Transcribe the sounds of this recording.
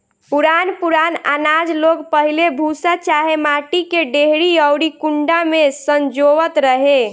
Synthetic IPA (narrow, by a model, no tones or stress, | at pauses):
puɾanpuɾana̰nad͡ʒloɡpəɦilebʱusat͡ʃaɦemaʈikeɖeɦɾiəwɽikuɳɖamesənd͡ʒoʋət̪ɾəɦe